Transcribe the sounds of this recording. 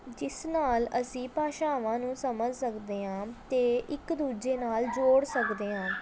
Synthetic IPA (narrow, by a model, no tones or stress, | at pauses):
d͡ʒɪsnaːləsĩːpaːʃaːʋãːnũːsəməd͡ʒsəkd̪eːɦãːt̪eːʔɪkd̪uːd͡ʒeːnaːld͡ʒoːɽsəkd̪eːɦãː